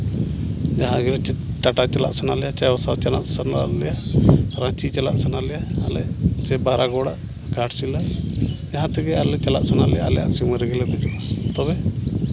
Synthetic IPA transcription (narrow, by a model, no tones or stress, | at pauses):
d͡ʒaɦãɡɛlɛt͡ʃɛʈaʈat͡ʃɛla̰ʔsanalɛjat͡ʃɛɔsat͡ʃanaʔsanalɛjaɾãt͡ʃit͡ʃala̰ʔsanalɛjaːlɛ̰t͡ʃɛbaɾaɡɔɽaʔ | ɡaʈt͡ʃilad͡ʒaɦãt̪ɛɡɛalɛt͡ʃalaʔsanalɛ̰ja̰ʔlɛ̰ja̰ʔsiməɾɛɡɛlɛd̪ɛd͡ʒut̪ɔbɛ